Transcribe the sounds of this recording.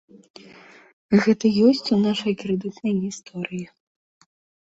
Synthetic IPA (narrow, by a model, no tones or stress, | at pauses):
ɣɛt̪ɐjɔsʲt͡sʲunaʂɐjkɾɛd̪ɨt̪nɐjɣʲist̪ʰɔɾɨji